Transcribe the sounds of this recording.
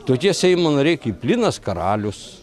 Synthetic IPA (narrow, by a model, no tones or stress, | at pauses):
t̪oːkʲiɛsʲɛɪmonɐɾʲɛɪkiːpʲlʲɪnɐskɐɾɑːlʲʊs